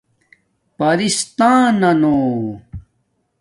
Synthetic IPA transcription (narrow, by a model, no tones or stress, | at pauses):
pɐɾist̪aːnɐno